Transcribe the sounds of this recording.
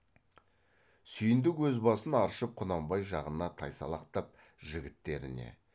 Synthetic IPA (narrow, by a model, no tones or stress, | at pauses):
sʏjɪnd̪ɪkwɵzbɑsənɑɾʃəp̚qʰʊnɑmbɑjʒɑʁənɑt̪ʰɑjsɑ̰lˠɑqt̪ɑp̚ | ʒɪɡʲɪt̪ːe̞ɾɪ̰ne̞̰